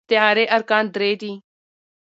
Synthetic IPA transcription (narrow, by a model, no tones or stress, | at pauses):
t̪ɪjaːɾeːʔəɾkaːnd̪ɾeːt̪iː